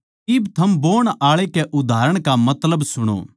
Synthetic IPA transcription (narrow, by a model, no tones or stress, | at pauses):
ɪbt̪ʰɐmboːɽ̃aːɭekeʔʊd̪ʱaːɾəɽ̃kamɐt̪ləbsʊɽ̃o̰ː